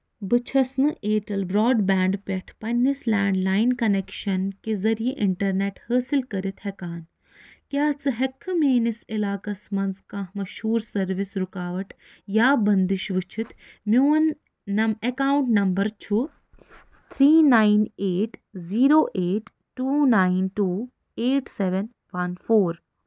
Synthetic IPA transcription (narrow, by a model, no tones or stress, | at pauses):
bɨt͡ʃʰɐsnɨʔeːʈɐlbɾɔːɖbaːɳɖpʲɐʈʰpɐnːislaːɳɖlaːinkɐnekʃɐnkezɐɾijeʔɪɳʈɐɾneʈhəːsilkɐɾit̪ʰhɛkaːn | kjaːt͡sɨɦekʰɨmeːnisɪlaːkɐsmɐnzkãːɦmɐʃhuːɾsɐɾʋisɾukaːʋɐʈ | jaːbɐnd̪iʃʋɪt͡ʃʰit̪mjuːnː | ɐekaːwʊɳʈnɐmbɐɾt͡ʃʰu | t̪ʰɾiːnaːineːʈziːɾoːʔeːʈ | ʈːuːnaːɪnʈuː | eːʈsɛʋɛn | ʋɐnfoːɾ